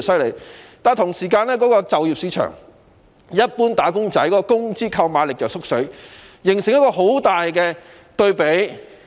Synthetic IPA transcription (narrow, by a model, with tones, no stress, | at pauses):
sɐ˥ɥlḛ˨˩jt̪aː˨nt̪ʰʊ˨˩ŋsiː˨˩kaː˧nlɛː˥kɔː˨˥kɔː˧t͡sɐ˨wjiː˨psi˨˧˥t͡ʃʰœ̰˨˩ŋ | jɐ˥t̚puː˥nt̪aː˨˥kʊ˥ŋt͡sɐ˨˥jkɔː˨˥kɔː˧kʊ˥ŋt͡siː˥kʰɐ˧wmaː˨˧˥lɪ˨k̚jɐ˨wsʊ˥k̚sɵ˨˥ɥ | jɪ˨˩ŋsɪ˨ŋjɐ˥t̚kɔː˧ɦo˨˥wt̪aː˨jkɛː˧ | t̪ɵ˧ɥpe˨˥j